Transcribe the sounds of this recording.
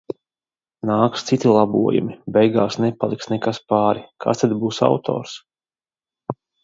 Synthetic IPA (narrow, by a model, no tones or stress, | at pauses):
naːkst̪sit̪ʲilˠabṵɔjṵmibɛjɡaːsnɛpalˠiksnɛkaspaːɾikʰa̰st̪ad̪buːsa̰wt̪ʰo̰ːɾs